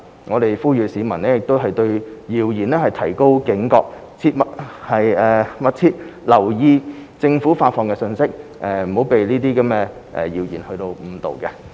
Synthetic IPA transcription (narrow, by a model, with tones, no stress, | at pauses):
ŋɔː˨˧t̪e˨jfuː˥jyː˨˧siː˨˧˥mɐ˨˩nlɛː˥jɪ˨k̚t̪o˥wɦɐ˨jt̪ɵ˧ɥjiː˨wjiː˨˩nɛː˥hɐ˨jt̪ʰɐ˨˩jko˥wkɪ˨˥ŋkɔː˧k̚ | t͡sʰi˧˥t̚mɐ˨t̚hɐ˨jɛː˨mɐ˥t̚t͡sʰiː˧˥t̚lɐ˨˩wjiː˧t͡sɪ˧ŋfuː˨˥faː˧tfɔː˨˧ŋkɛː˧sɵ˧nsɪ˥k̚ʔɛː˨˩m̩˨˩o˨˥wpe˨jliː˥t̪iː˥kɐ˨˥mkɛː˧ | ʔɛ̰˨˩jiː˨˩wjiː˨˩nhɵ˧ɥt̪o˧wm̩˨˧t̪o̰˨wkɛ˧